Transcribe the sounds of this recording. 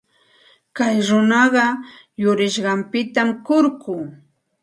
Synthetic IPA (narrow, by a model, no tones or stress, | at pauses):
kajɾʊnɑɢɑ | jʊɾɪʃɢɑmpɪt̪amkʊɾkʊː